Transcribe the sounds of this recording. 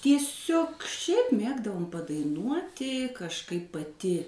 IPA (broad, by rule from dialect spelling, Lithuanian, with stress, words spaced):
tʲiɛˈsʲoːk ˈʃʲɛɪp ˈmʲeːɡdɐʋoːm pɐdɐɪˈnuɔtʲɪ kɐʃˈkɐɪp pɐˈtʲɪ